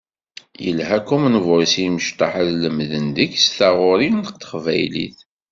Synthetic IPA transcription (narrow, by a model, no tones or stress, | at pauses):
jə̰lɦækumnəvɾsiməʃt̪ˤɑħəðləmðənd̪içsθæʁʊɾinəqt̪ə̥χvæ̰jlḭθ